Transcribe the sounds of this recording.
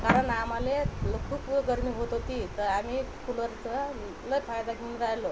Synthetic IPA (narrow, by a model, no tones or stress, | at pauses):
kaɾəɳamaleləkʰupɡəɾmiːɦot̪ot̪iːt̪əɾamikʰuləɾt͡sə | ləbfʰajd̪aɡʰinɾajlo